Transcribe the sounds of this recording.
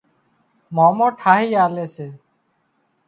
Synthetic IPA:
maːmõːʈʰaːɦiːaːleːseː

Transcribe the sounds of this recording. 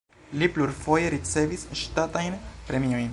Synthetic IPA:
lipluɾfo̞je̞ɾit͡se̞visʃtatajnpɾe̞mio̞jn

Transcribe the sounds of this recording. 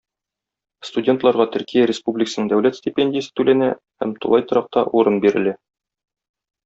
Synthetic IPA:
st̪udʲe̞nt̪lˠɑɾʁɑt̪ɵ̆ɾkijæɾʲɪspublʲɪkəsənɤŋd̪æwlæt̪sʲtʲɪpʲenʲdʲɪjəsɘ̥t̪ʉlænæ | hæ̰mt̪ṵlˠɑjt̪ɤ̆ɾɑq̚t̪ɑʔuɾɤnbiɾɘ̆læ

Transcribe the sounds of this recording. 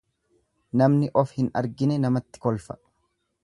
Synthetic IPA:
nɐmnɪʔɔfhɪnɐ̰ɾɡɪnɛnɐmɐt̪ːɪ̥kɔlfɐ̥

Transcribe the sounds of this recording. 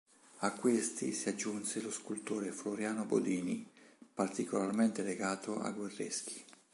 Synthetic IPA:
akːwest̪ḭsiad͡ʒːunseloskult̪oːɾefloɾjaːnobo̰d̪iːnḭpart̪ikolarment̪eleɡaːt̪oʔa̰ɡwerːḛsk̟i̥

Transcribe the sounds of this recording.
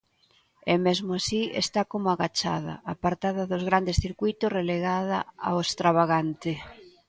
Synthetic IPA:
ɛmezmoasiḛst̪akomʊaɣat͡ʃa̰ðɐ̰apaɾt̪aðɐðʊzɣɾand̪esθiɾkujt̪ʊsreleɣaða̰a̰owest̪ɾaβaɣant̪ɪ

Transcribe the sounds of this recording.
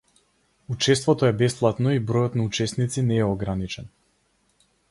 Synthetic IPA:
ut͡ʃɛst̪vɔt̪ɔɛbɛsplˠat̪nɔibɾɔjɔt̪naut͡ʃɛsnit̪sinɛːɔɡɾanit͡ʃɛn

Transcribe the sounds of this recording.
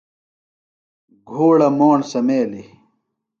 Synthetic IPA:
ɡʱoːɽɐmoːɳsɐmeːli

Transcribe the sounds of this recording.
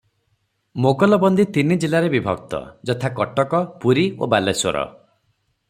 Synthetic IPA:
moɡɔlɔbɔnd̪it̪inid͡ʒilaɾebibʱɔ̰ɡ̚t̪ɔ̰d͡ʒɔt̪ʰakɔʈɔkɔpuɾio̰baleswɔ̰ɾɔ̰

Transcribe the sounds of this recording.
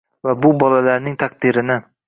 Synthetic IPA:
vabʊbɒlalaɾnɪŋt̪ʰaq̚d̪ɪɾɪnɪ

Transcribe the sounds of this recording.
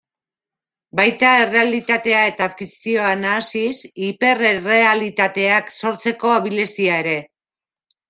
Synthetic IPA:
bajt̪ae̞re̞alit̪at̪e̞ae̞t̪aːfkisio̞anaːsisipe̞rere̞alit̪at̪e̞akso̞ɾt͡se̞ko̞aβile̞siae̞ɾe̞

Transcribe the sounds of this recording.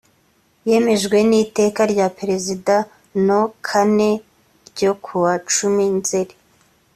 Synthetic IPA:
je̞me̞ʒɡwe̞nite̞ːkaɾɟapeɾe̞zida | no̞kʰane̞ | ɾɟo̞kʰuwat͡ʃuminzeɾi

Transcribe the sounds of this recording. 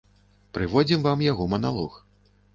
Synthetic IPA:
pɾɨvɔd͡zʲimvamjaɣɔmɐnalˠɔx

